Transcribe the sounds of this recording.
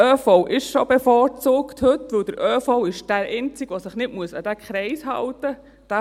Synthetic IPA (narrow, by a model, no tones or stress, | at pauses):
œːfoʊʔɪʃʃob̥efɔːɾt͡suːkthɵtʋɵwd̥̪əɾʔœːfoʊɪʃd̥æɾɛɪnt͡sɪɡʋosɪχnɪtmuəsɑ̰d̥̪ækχɾɛɪshɑ̰wtə | d̥æ